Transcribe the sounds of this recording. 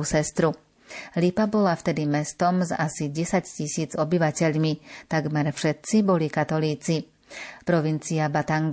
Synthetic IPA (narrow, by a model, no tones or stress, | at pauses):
usɛst̪ɾu | lipabɔlaft̪ɛd̪imɛst̪ɔmza̰siɟɛsaccisiːd͡zɔbiʋacɛʎmit̪aɡmɛɾfʃɛt̪̚t͡sibɔlikat̪ɔliːt͡si | pɾɔʋint͡siabat̪aŋɡ